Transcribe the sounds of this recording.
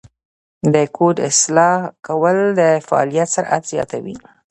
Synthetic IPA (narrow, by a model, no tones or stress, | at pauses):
d̪əkʰod̪ɪ̰slɑkawəld̪əfaɑ̰lijat̪səɾʔa̰t̪zjɑ̰t̪awi